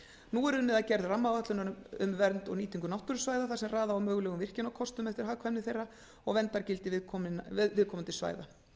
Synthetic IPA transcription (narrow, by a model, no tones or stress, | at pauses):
nuːɛɾʏnːɪðacɛɾðramːavaht̪lʏnaʏmvɛɾnt̪ɔ̰niːt̪iŋkʏnawht̪ʏɾʏsvaːjðaθasɛmraːðaːwmœːɣlɛɣʏmvɪr̥cɪnɔwkʰɔst̪ʏmɛft̪ɪɾ̥ɦaːkʰvɛmnɪθejrːa | ɔɣvɛnt̪aɾcɪlt̪ɪvɪðkʰɔmɪnaɪvɪðkʰɔːmʏnt̪ʰɪlsva̰ːjða̰